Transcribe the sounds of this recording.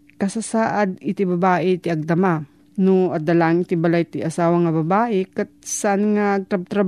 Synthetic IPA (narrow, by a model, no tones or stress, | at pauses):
kɐsasaːʔad̪̚ɪt̪ɪbɐbaːʔɛt̪ɪʔɐɡ̚d̪ɐma | noʔɐd̪ɐlaʔŋɪt̪ɪbɐlajt̪ɪʔɐsaːwɐŋɐbɐbaːʔɛkat̪̚saʔanŋaɐɡ̚t̪ɾɐb̚t̪ɾɐ